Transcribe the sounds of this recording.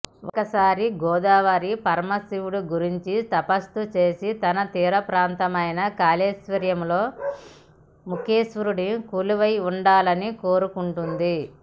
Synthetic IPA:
ɔ̰kɐsaːɾiɡɔːd̪aːʋɐɾipɐɾmɐsiʋuɽuɡuɾiɲt͡ʃit̪ɐpɐst̪ut͡ʃe̞ːsit̪ɐnɐt̪iːɾɐpɾaːnt̪ɐmɐjnɐkaːleːsʋɐɾjɐmlo̞ː | mukeːsʋuɾuɽikuːluʋɐjuɳɖaːlɐniko̞ːɾukuɳʈund̪i

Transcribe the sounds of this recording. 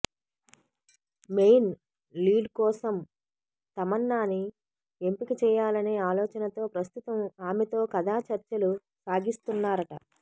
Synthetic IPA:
mejn | liːɖkɔːsɐm | t̪ɐmɐnːaːni | empikit͡ʃɛːjaːlɐne̞ːaːlɔːt͡ʃɐnɐt̪o̞ːpɾɐst̪ut̪ɐmaːmɛt̪o̞ːkɐd̪ʱaːt͡ʃɐɾt͡ʃɐlu | saːɡist̪unːaːɾɐʈɐ̰

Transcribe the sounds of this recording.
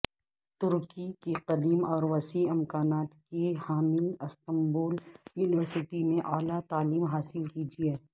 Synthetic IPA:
t̪ʊɾkikiqɐd̪iːmɔːɾʋɐsiɪmkaːnaːt̪kehaːmɪlɪst̪ɐ̃mbuːljuːnɪʋəɾsɪʈimẽʔaːlat̪aːliːmɦaːsɪlkiːd͡ʒiɛː

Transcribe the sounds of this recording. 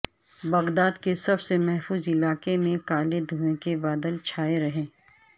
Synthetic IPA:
bɐɡd̪aːd̪kesɐbsemɛɦfuːzɪlaːkemẽkaːled̪ʱuẽkebaːd̪əlt͡ʃʰaːeɾɐɦẽː

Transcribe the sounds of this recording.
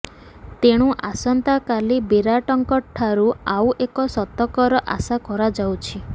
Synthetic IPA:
t̪eɽ̃uʔasɔnt̪akalibiɾaʈɔŋkɔʈʰːaɾuawʔekɔsɔt̪ɔkɔɾɔʔa̰sakɔɾad͡ʒawt͡ʃʰi

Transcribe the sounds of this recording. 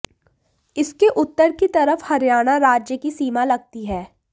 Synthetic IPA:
ɪskeʔʊt̪ːəɾkit̪ɐɾəfhɐɾjaːɽ̃aɾaːd͡ʒjəkisiːmalɐɡ̚t̪iɦɛː

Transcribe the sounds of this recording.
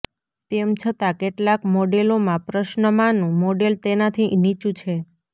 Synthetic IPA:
t̪emt͡ʃʰət̪akeʈlakmoɖelomãpɾəʃnəmanũmoɖelt̪enat̪ʰinit͡ʃũt͡ʃʰe

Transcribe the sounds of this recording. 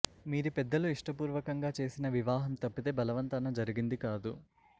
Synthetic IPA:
miːɾupɛd̪ːɐluiʂʈɐpuːɾʋɐkɐŋɡaːt͡ʃe̞ːsinɐʋiʋaːɦɐmt̪ɐpːit̪e̞ːbɐlɐʋɐnt̪ɐnɐd͡ʒɐɾiɡind̪ikaːd̪u

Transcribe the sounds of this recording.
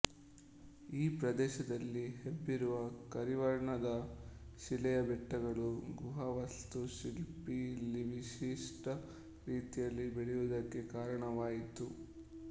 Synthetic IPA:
iːpɾɐd̪ɛːʃɐd̪ɐlːiɦebːiɾuʋɐkɐɾiʋɐɾɳɐd̪ɐʃilɛjɐbɛʈːɐɡɐɭuɡuɦɐʋɐst̪uʃilpilːiʋiʃiʂʈɐ | ɾiːt̪ijɐlːibiɽɛjud̪ɐkːe̞kaːɾɐɳɐʋaːjit̪u

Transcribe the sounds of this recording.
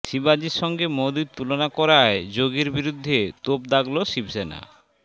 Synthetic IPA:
ʃibad͡ʑiɾʃɔŋɡemod̪it̪ulonakɔɾaed͡ʑoɡiɾbiɾud̪ʱːet̪opd̪aɡloʃibsena̰

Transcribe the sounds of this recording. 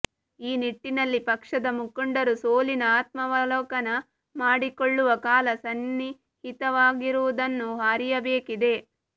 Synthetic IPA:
iːniʈːinɐlːipɐkʂɐd̪ɐmukːuɳɖɐɾusoːlinɐaːt̪̚mɐʋɐlɔːkɐnɐ | maːɽikoɭːuʋɐkaːlɐsɐnːi | hit̪ɐʋaːɡiɾuʋud̪ɐnːuɦaːɾijɐbeːkid̪e̞

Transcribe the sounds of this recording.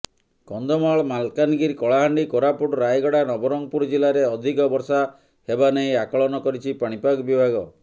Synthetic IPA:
kɔnd̪ʱɔmaɭmalkanɡiɾkɔɭaɦaɳɖikɔɾapuʈɔɾajɡɔɽanɔbɔɾɔŋpuɾd͡ʒilaɾeɔd̪ʱikɔbɔɾsa | hebaneiakɔɭɔnɔkɔɾit͡ʃʰipaɽ̃ipaɡɔbibʱaɡɔ

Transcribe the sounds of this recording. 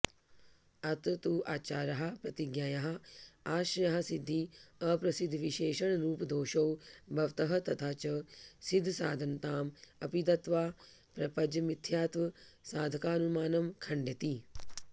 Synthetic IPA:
ɐt̪ɐt̪uʔaːt͡ʃaːɾɐɦɐ̆pɾɐt̪iɡjaːjɐɦɐ̆aːʃɐjɐɦɐ̆sid̪ʱːiɐpɾɐsid̪ʱːʋiʃeːʃɐɳɾuːpd̪oːʃɐwbʱɐʋt̪ɐɦɐ̆t̪ɐt̪ʰaːt͡ʃɐsid̪ʱːsa̰ːd̪ʱɐnt̪aːmɐpid̪ɐt̪ʋaː | pɾɐpɐd͡ʒɐmit̪ʰjaːt̪ʋɐsaːd̪ʱɐkaːnumaːnɐmkʰɐɳɖɐt̪i

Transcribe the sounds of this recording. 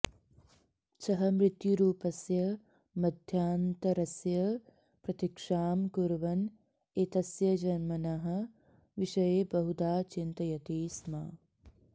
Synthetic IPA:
t͡ʃɐɦɐmɾɪt̪juɾuːpɐsjɐ | mɐd̪ʱjaːnt̪ɐɾɐsjɐ | pɾɐt̪ikʂaːmkuɾʋɐn | et̪ɐsjɐd͡ʒɐnmɐnaɦɐ̆ | ʋiʃɐjebɐɦud̪aːt͡ʃint̪ɐjɐt̪iːsma̰ː

